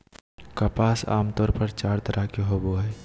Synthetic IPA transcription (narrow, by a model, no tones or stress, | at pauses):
kɐpaːsa̰ːmt̪ɔːɾpəɾt͡ʃaːɾt̪ɐɾʔakeɦoboɦɛː